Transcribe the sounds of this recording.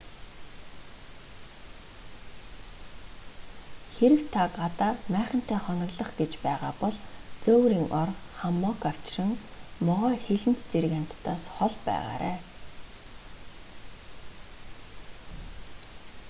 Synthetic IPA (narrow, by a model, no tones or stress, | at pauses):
xeɾɘ̆kt̪ʰaɢat̪aːrmæːχə̆n̥t̪ʰæːχɔnə̆ɣɮə̆χɡet͡ɕpæːʁaːpɔɮt͡soːwɾiːŋʔɔrχamːɔkaw̥t͡ɕrə̆ŋmɔʁœːxeɮɘ̆nt͡st͡seɾɘ̆kan̥ʲt̪t̪ːaːsχɔɮpæ̰ːʁa̰ːɾæ̰ː